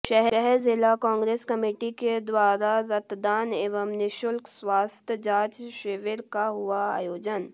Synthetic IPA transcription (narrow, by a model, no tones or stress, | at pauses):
ʃɛɦɾɛɦɛzɪlakãːŋɡɾeːskɐmeːʈiked̪waːɾaɾɐt̪d̪aːneːʋəmnɪʃʊlkswaːst̪ʰəd͡ʒaːt͡ʃʃeʋeɾkaɦʊaa̰ːjoːd͡ʒən